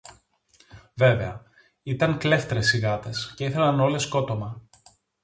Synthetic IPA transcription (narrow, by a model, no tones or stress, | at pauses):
ve̞ve̞ɐ | it̪ɐŋkle̞ft̪ɾe̞siɣɐt̪e̞sce̞iθe̞lɐno̞le̞sko̞t̪omɐ